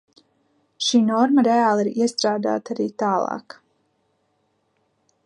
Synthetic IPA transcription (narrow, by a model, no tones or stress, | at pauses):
ʃiːnɔɾməɾeaːlˠiɾiɛst̪ɾaːd̪a̰ːt̪aɾiːt̪aːlˠɑ̰ːk